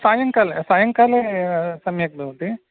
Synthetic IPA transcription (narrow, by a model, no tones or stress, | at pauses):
saːjɐŋkaːlesaːjɐŋkaːlesɐmjɐk̚d̪ɐuʈ̪i